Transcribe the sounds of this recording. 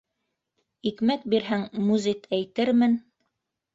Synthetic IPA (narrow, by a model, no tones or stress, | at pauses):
ikmæk̚biɾɦæŋmuzikæjt̪ɘɾmɘn